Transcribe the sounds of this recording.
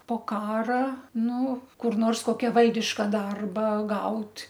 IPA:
poː ˈkɑːrɐ ˈnʊ kʊr ˈnoːrs ˈkoːkʲɛ ˈʋɐlʲdʲɪʃkɐ ˈdɐrbɐ ˈɡɐʊtʲ

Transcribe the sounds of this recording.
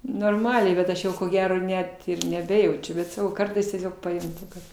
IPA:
noːrˈmɑːlʲɛɪ bʲɛt ˈɐʃ jɛʊ koː ˈɡʲæːroː ˈnʲɛt nʲɛˈbʲæːjɛʊt͡ʃʲʊ ˈbʲɛt sɐˈkɐʊ ˈkɐrtɐɪs tʲiɛˈsʲoːk pɐjʊnʲˈtʲɪ kɐt

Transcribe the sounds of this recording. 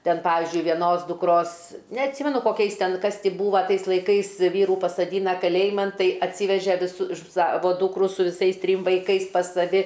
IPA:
ˈtʲɛn ˈpɑːʋʲɪzʲd͡ʒʲʊɪ ʋʲiɛˈnoːs dʊkˈroːs nʲɛɐtʲˈsʲiːmʲɛnʊ koːˈkʲɛɪs ˈtʲɛn ˈkɐs tʲiː ˈbuːʋɐ ˈtɐɪs lˠɐɪˈkɐɪs ˈʋʲiːruː pɐsɐˈdʲiːnɐ kɐˈlʲeːjɪmɐn ˈtɐɪ ɐtʲˈsʲiːʋʲɛʒʲɛ ʋʲɪˈsʊ ˈsɑːʋoː ˈduːkrʊ sʊ ʋʲɪˈsɐɪs ˈtʲrʲiːm ʋɐɪˈkɐɪs pɐs sɐˈʋʲɪ

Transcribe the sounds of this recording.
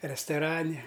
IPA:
rʲɛstoːˈrɑːnʲɛ

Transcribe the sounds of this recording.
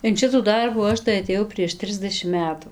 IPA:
ɪn ˈʃʲɪtuː ˈdɐrbuː ˈɐʃ tɐɪ ɐtʲeːˈjɛʊ pʲrʲiɛʃ ˈtʲrʲɪzʲdʲɛʃʲɪm ˈmʲæːtʊ

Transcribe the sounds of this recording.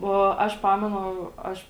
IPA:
oː ˈɐʃ ˈpɑːmʲɛnʊ ˈɐʃ

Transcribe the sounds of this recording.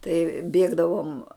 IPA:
tɐɪ ˈbʲeːɡdɐʋoːm

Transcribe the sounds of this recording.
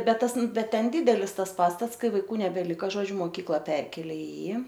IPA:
ˈbʲɛt ˈtɐs ˈbʲɛt ˈtʲɛn ˈdʲiːdʲɛlʲɪs ˈtɐs ˈpɑːstɐts ˈkɐɪ ʋɐɪˈkuː nʲɛbʲɛˈlʲɪkɐ ˈʒoːd͡ʒʲʊ moːˈkʲiːklˠɐ ˈpʲɛrʲkʲeːlʲeː ɪ ˈjiː

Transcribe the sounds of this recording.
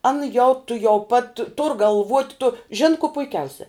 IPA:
ˈɑːnɐ jɛʊ tʊˈjɛʊ pɐt tʊr ɡɐlˠˈʋuɔtʲ tʊ ʒʲɪn koː pʊɪˈkʲɛʊsʲɛ

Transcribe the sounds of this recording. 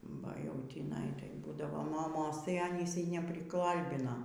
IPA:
bɐ jɛʊ tʲiːˈnɐɪ tɐɪ ˈbuːdɐʋoː moːˈmoːs tɐɪ ɐˈnʲiːs nʲɛpʲrʲɪˈkɐlʲbʲɪnɐ

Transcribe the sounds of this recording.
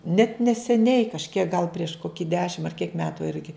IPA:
nʲɛt nʲɛsʲɛˈnʲɛɪ kɐʃʲˈkʲiɛk ɡɐlˠ pʲrʲiɛʃ ˈkoːkʲɪ ˈdʲæːʃʲɪm ɐr kʲiɛk ˈmʲæːtʊ ˈɪrʲɡʲɪ

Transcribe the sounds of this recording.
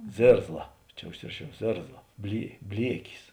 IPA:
ˈzʲeːrzlˠɐ ˈt͡ʃʲɛ ʊʃʲˈsʲɪrɐˌʃʲɛʊ ˈzʲeːrzlˠɐ bʲlʲiɛ ˈbʲlʲiɛkʲɪs

